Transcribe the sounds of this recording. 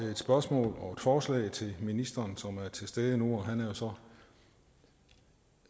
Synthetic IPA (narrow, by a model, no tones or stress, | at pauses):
e̝d̥sb̥ɶɐsmɔ̰̽ːlɒ̽e̝d̥fɒːslɛ̰ɪt͡sʰe̝lminisd̥ɐːnsɒ̽mæɐt͡sʰe̝sd̥eð̞ˠənuɒ̽ɦænæɐjo̝sɒ̽